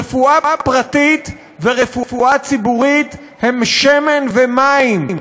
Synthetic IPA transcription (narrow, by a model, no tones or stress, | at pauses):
efuaapʁat̪it̪ | veʁefufuat͡sibuʁit̪ | hemʃemenvemaimm